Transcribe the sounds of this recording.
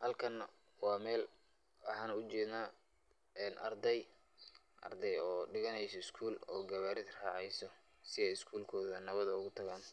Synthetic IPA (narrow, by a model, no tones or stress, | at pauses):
hɐlkʰɐn | wɑːmɛːl | wɑħɑːnʊt͡ʃɛːd̪naː | ɛːnʔɐ̰rd̪ɛj | ʔɐ̰rd̪ɛjɔːɖɪɣɐnɛjsɔɪskʰuːlɔːɡɐβaːɾɪðrɑːʕɛjsɔ | sɪɛjɪskʰuːlkʰɔːðɐnɐβɐðɐʊɣʊt̪ʰɐɣaːn